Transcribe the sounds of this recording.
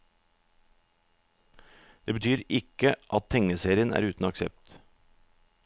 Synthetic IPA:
d̪̥eːbət̪ʰyːɾɪkəʔɑt̪̚t̪ʰɛŋəseːɾɪənʔæ̰ːɾʉːt̪n̩ɑksɛ̰p̚t̪

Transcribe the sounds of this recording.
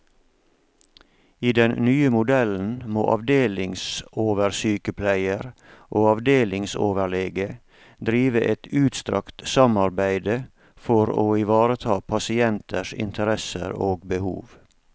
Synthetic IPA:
iːd̪ɛnnyːəmʊd̪ɛln̩mo̰ːʔɑ̰ʋd̪eːlɪŋsoːʋəɾsyːkəpʰlæɪəɾʔoːɑʋd̪eːlɪŋso̰ːʋəɭeːɡə | d̪ɾiːʋəʔɛt̪ʉːt̪st̪ɾɑ̰kt̪sɑmɑɾbæɪd̪ə | fɔɾo̰ːɪʋɑːɾət̪ʰɑːpʰɑsɪɛnt̪ʰəʃɪ̰nt̪ʰəɾɛsə̰ɾoːɡbəhṵːʋ

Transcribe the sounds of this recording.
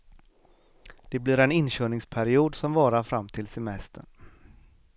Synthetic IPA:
d̪̥ɛblɪɾɛnɪnɕœːɳɪŋspʰæɾɪuːd̪sɔmvɑːɾaɾfɾamːt̪ʰɪlsɛmɛst̪ʰə̰ɳ

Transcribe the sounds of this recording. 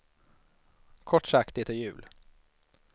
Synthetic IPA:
kʰɔʈːʂakt̪ɪt̪ɔjʉ̟̰ːl

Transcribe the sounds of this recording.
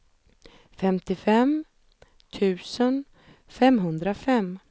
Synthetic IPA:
fɛmt̪ɪfɛm | t̪ʰʉ̟ːsən | fɛmɦɵnd̪ɾafɛm

